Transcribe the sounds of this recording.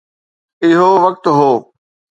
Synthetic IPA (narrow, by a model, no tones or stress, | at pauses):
ɪɦoʋɐk̚t̪ɦoː